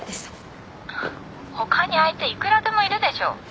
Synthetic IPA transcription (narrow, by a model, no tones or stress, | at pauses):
d̪esɨ̥ | ho̞kaɲ̟iait̪e̞ikɯ̟ɾad̪e̞mo̞iɾɯ̟d̪e̞ɕo̞̰ː